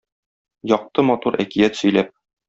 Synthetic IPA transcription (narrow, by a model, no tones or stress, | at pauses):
jɒq̚t̪ɤmɒt̪uɾʔækijæt̪sɵ̆jlæp̚